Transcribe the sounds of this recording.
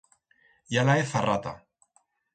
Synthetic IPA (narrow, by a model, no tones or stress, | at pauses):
jalaeθarat̪a̰